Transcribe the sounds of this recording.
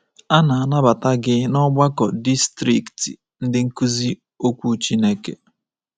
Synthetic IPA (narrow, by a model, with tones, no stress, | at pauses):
a˦na˨a˨na˦ba˨ta˦ɡɪ˦nɔ˦ɡ͡ba˦kɔ˨di˦stɾi˨ktḭ˨ | n̩˦dɪ˦ŋ̩˦ku˦zi˦ | o˦kʷu˦t͡ʃi˦ne˦kḛ˨